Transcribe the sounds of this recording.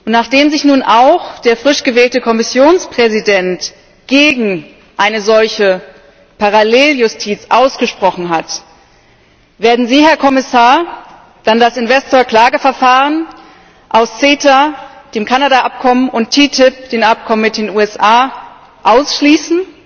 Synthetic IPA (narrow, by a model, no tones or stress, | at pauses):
ʔʊntnaːχd̥eːmzɪçnuːnʔaʊxd̥eːɐfʁ̥ɪʃɡ̥əvɛːltəkʰɔmɪsjoːnspʁ̥ɛzidɛnt | ɡ̥eːɡŋ̩ | ʔaɪnəzɔlçə | paʁaleːljʊstʰiːt͡sʔaʊsɡ̥əʃpʁ̥ɔχn̩ɦat | v̥eːɐdn̩ziːhɛɐkʰɔmɪsaːɐ | d̥andasɪnvɛstoːɐkl̥aːɡəfɛɐfaːʁən | ʔaʊst͡seːtad̥eːmkʰanadaʔap̚kʰɔmənʔʊntʰːiːtʰɪp̚d̥eːnʔap̚kʰɔmənmɪt̚d̥eːnuːɛsʔaː | ʔaʊsʃliːsn̩